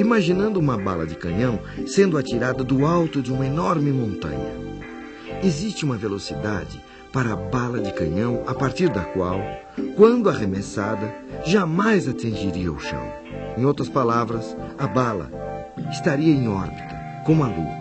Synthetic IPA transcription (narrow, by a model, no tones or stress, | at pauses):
imaʒinɐ̃nd̪ʊũmɐba̰lɐ̰d͡ʒɪkɐ̃ɲɐ̃w̃sẽnd̪ʊat͡ʃiɾad̪ɐd̪ʊawt̪ʊd͡ʒɪũmɐenɔɾmɪmõnt̪ɐ̰̃ɲɐ̰ | ezist͡ʃɪũmɐvelosid̪ad͡ʒɪ | paɾɐːbalɐd͡ʒɪkɐ̰̃ɲɐ̃w̃apaɾt̪iɾd̪ɐkwaw | kwɐ̃nd̪ʊɐʁemesad̪ɐʒamajzat͡ʃ̪ĩʒiɾiɐʊʃɐ̰̃w̃ | ẽj̃owt̪ɾɐspalavɾɐsɐbalɐ̰ | ɪst̪aɾiɐẽj̃ɔɾbit̪ɐ | kõmʊaɡ̪ṵ